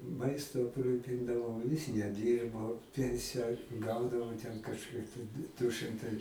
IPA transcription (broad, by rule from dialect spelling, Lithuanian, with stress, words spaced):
ˈmɐɪstʊ ɐpˈruːpʲɪndɐʋɐʊ jɪs nʲɛˈdʲiːrboː ˈpʲɛnʲsʲɪjɛ ˈɡɐʊdɐʋoː tʲɛn kɐʃʲˈkʲiɛk tɐɪ dʊ ˈʃɨmtɐɪ